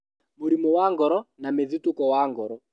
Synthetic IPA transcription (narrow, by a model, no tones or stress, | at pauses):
muɾimɔwaŋɡɔɾɔnameðitukɔwaŋɡɔɾɔ